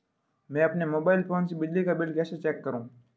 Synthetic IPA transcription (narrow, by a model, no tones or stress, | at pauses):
mɛ̃ːɐpnemoːbaːɪlfoːnsibɪd͡ʒlikabɪlɖkɛːset͡ʃɛːkːəɾũː